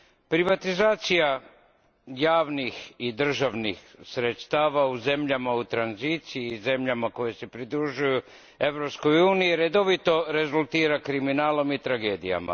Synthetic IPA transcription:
pɾiʋat̪izaːt̪sija | jaːʋnixid̪r̩ʒaʋnixsɾet̪st̪aːʋauze̞mʎamaut̪ɾanziːt̪siiːze̞mʎamako̞jesepɾid̪ɾuʒuju | e̞ʋɾo̞psko̞juːnijiɾe̞d̪o̞ʋit̪o̞ɾe̞zulˠt̪iːɾakɾiminaːlo̞mit̪ɾaɡeːd̪ija̰ma̰

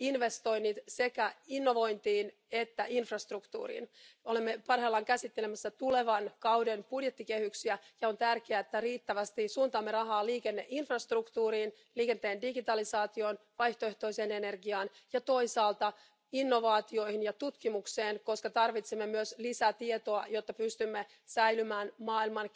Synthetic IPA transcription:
inʋe̞st̪o̞jnːit̪se̞kæinːo̞ʋo̞jnt̪iːn | et̪ːæʔinfrɑst̪rukt̪ṵːɾḭːno̞lemːepɑrheːlːɑŋkæsit̪ːelemæsːɑt̪ule̞ʋɑnkɑwdenpudje̞t̪ːike̞hyksiæjɑont̪ærkeæet̪ːæriːt̪ːæʋæst̪isuːnt̪ɑːmːerɑɦɑːliːkenːeʔinfrɑst̪rukt̪uːɾiːn | liːke̞nt̪eːndiɡit̪ɑlisɑːt̪io̞nʋɑjht̪oeht̪o̞ise̞ːne̞ne̞rɡiɑːnjɑt̪o̞isɑːlt̪ɑ | inːoʋɑːt̪io̞jhinjɑt̪ut̪kimukse̞ːnko̞skɑt̪ɑrʋit̪semːemyøslisæt̪iet̪o̞ɑjo̞t̪ːɑpyst̪ymːe | sæjlymæːnmɑːilmɑn

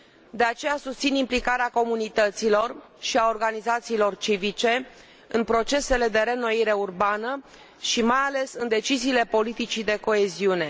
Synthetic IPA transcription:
d̪e̞at͡ʃe̞jasust̪sinimplikaɾeako̞munit̪ət̪silo̞r | ʃiaorɡanizat̪siːlo̞rt͡ʃivit͡ʃe̞ | ɨnpɾo̞t͡ʃe̞se̞le̞d̪e̞ɾe̞no̞iɾe̞urbanə | ʃimajale̞sɨnd̪e̞t͡ʃiziːle̞po̞lit̪it͡ʃid̪e̞ko̞e̞ziune̞

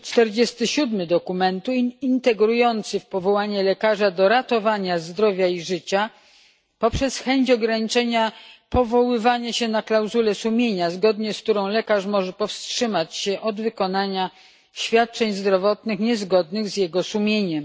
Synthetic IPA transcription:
t͡ʂt̪ɛɾd͡ʑɛst̪ɘɕud̪mɘd̪ɔkumɛnt̪uint̪ɛɡɾujɔnt̪sɘfpɔvɔwaɲɛlɛkaʐad̪ɔɾat̪ɔvaɲazd̪ɾɔvʲjaiʐɘt͡ɕa | pɔpʂɛsxɛɲt͡ɕɔɡɾaɲit͡ʂɛɲapɔvɔwɘvaɲɛɕɛnaklawzulɛsumʲjeɲazɡɔd̪ɲɛsk̚t̪uɾɔ̃w̃lɛkaʂmɔʐɛpɔfstʂɘmat͡ɕɕɛʔɔd̪vɘkɔnaɲa | ɕfʲjat̪̚t͡ʂɛɲzd̪ɾɔvɔt̪nɘxɲɛzɡɔd̪nɘɣzjɛɡɔsumʲjeɲɛm

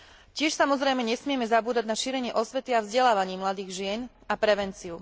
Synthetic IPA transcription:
cɪɛʃsamɔzɾɛjmɛɲɛsmɪɛmɛzabuːd̪aɟnaʃiːɾɛɲɪɛʔɔsʋɛt̪iavzɟɛlaːʋaɲiːmlad̪iːɣʒɪɛn | apɾɛʋɛnt͡siu

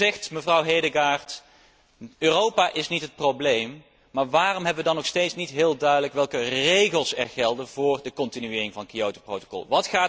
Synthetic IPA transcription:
ɛxtməvrɑwɦejdəɡaːɹt | øːrowpaːʔɪsnitɦət̚prowblejm | maːɹʋaːrɔmɦɛbəʋədɑnːɔxstejtsnitɦɪːlˠdœɥdələkʋɛlˠkərejɣəlˠsɛ̰ɹɣɛlˠdənvʊːrdəkɔntinyɪːrɪŋvɑnkiowtoprowto̥kɔ̰lˠʋɑtχaː

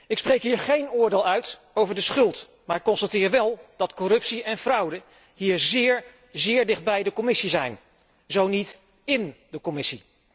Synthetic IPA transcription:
ɪksprejkɦiːɹχejnʊːɹdeːlˠœɥt | owvəɹdəsχɵlˠt | maːɹɪkːɔnstatɪːɹʋɛlˠd̥ɑtkɔrɵpsiɛnvrʌwdə | ɦiːɹzɪːɹ | zɪːɹdɪχd̚bɛjdəkɔmɪsizɛjn | zownit | ɪndəkɔmɪsi

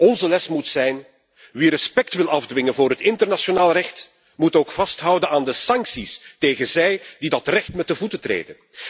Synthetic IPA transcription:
ɔnzəlɛsmutsɛjn | ʋiɾəspɛk̚tʋɪlˠɑvdʋɪŋənvʊːɾɦətɪntərnasjonaːlˠrɛxt | mutoːkfɑstɦʌwdənaːndəsɑŋksisteːɣənzɛjdidɑtrɛxtmɛt̚dəvutətrḛːdən

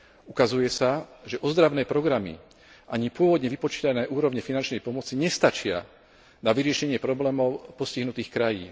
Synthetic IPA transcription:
ukazujɛsaʒɛʔɔzd̪ɾaʋnɛːpɾɔɡɾamḭ | ʔaɲipʊɔʋɔd̪ɲɛʋipɔt͡ʃiːt̪anɛːʔuːɾɔʋɲɛfinant͡ʃnɛjpɔmɔt͡siɲɛst̪at͡ʃɪa̰ | naʋiɾɪɛʃɛɲɪɛpɾɔblɛːmɔʊpɔsciɦnut̪iːxkɾajiːn

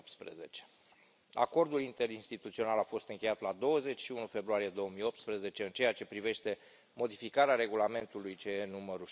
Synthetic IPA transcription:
pt̪spɾḛze̞̰t͡ʃe̥ | a̰ko̞rd̪ulint̪e̞ɾinst̪it̪ut̪sio̞nalafo̞st̪ɨŋkʲe̞jat̪lad̪o̞wəze̞t͡ʃʲʃiunufe̞bɾuaɾije̞d̪o̞womijo̞p̚t̪spɾeze̞t͡ʃe̞ɨnt͡ʃe̞jat͡ʃe̞pɾive̞ʃt̪e̞ | mo̞d̪ifikaɾeaɾe̞ɡulame̞nt̪ulujt͡ʃejenuməɾu

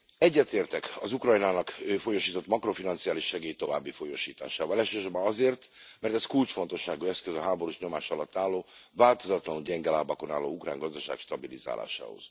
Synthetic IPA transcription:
ɛɟːɛt̪eːrt̪ɛkɒzukrɒjnaːnɒkøːfo̞joʃiːt̪o̞t̪mɒkro̞finɒnt̪sijaːliʃːɛɡeːjt̪o̞vaːbːifo̞joʃiːt̪a̰ːʃaːvɒlɛʃøːʃorbɒnɒzeːrt̪mɛrt̪ɛskult͡ʃfo̞nt̪o̞ʃːaːɡuɛskøzɒɦaːbo̞ɾuʃɲo̞maːʃɒlɒt̪ːaːlːoːvaːlt̪o̞zɒt̪lɒnuɟɛŋɡɛlaːbɒko̞naːlːo̰ːukra̰ːŋɡɒzd̪ɒʃa̰ːkʃt̪ɒbiliza̰ːla̰ːʃa̰ːho̞̰z̥

